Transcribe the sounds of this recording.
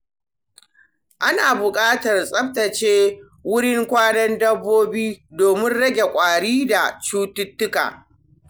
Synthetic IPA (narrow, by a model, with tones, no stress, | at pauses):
ʔa˦naː˨bʊ˨kʼaː˦tɐ˨rsʼɐ˦p̚tɐ˨t͡ʃeː˦ | wʊ˦ɽɪ˦ŋkʷaː˦nɐ˦ndɐ˦bːoː˦biː˦doː˨mɪ˦nɽɐ˦ɡʲe˨kʷʼaː˨ɽiː˦da˨t͡ʃuː˦tʊ˦tːʊ˦ka̰ː˨